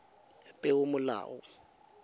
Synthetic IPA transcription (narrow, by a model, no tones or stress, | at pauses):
pʼɛʊmʊla̰ːʔɔ